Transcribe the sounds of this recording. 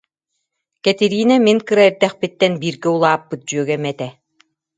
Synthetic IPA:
kɛt̪iɾiːnamiŋkɯɾaiɾd̪ɛχpit̪ːɛnbiːɾɡɛulˠaːpːɯt̪̚d͡ʑyœɡɛmɛt̪ɛ

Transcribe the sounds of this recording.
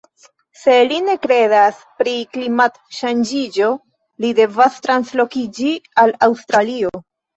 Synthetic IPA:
se̞line̞kɾe̞das | pɾiklimat | ʃand͡ʒid͡ʒo̞ | lide̞vastɾanslo̞kid͡ʒialawstɾalio̞

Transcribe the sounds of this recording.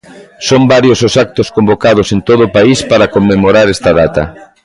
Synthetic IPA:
sombaɾjosʊsak̚t̪ʊskombokað̞ʊsent̪oð̞ʊːpaispaɾɐkomːemoɾaɾɛst̪ɐðat̪ɐ̰

